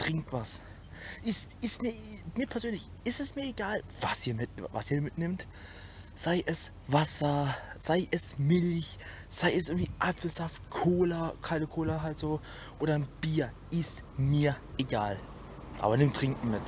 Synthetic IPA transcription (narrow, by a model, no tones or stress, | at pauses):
tʁ̥ɪŋk̚tv̥as | ʔɪstɪstmiːɐmiːɐpʰɛɐzøːnlɪçʔɪstɛsmiːɐeɡaːlv̥asʔiːɐmɪtvasiːɐmɪtnɪmt | z̥aɪʔɛs | vasɐz̥aɪʔɛsmɪlç | z̥aɪʔɛs̬ʔɪɐŋ̩tv̥iːʔafl̩z̥aft̚kʰoːlɐkʰaɪnəkʰoːlɐɦaltz̥oː | ʔoːɾɐnb̥iːɐ | ʔɪst | miːɐʔeɡaːl | ʔa̰ːbɐnɪmtʁ̥ɪŋkŋ̩mɪt